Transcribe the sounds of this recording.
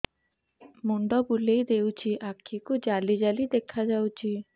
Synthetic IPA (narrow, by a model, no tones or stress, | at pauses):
muɳɖɔbulejd̪ewt͡ɕʰiʔakʰːikud͡ʒalid͡ʒalid̪ekʰad͡ʒawt͡ʃʰi